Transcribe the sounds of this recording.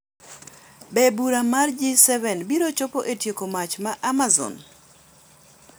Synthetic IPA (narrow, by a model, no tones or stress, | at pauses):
bɛbuɾamard͡ʒisɛvɛnbiɾot͡ʃopoʔetjekomat͡ʃmaʔamazɔ̰n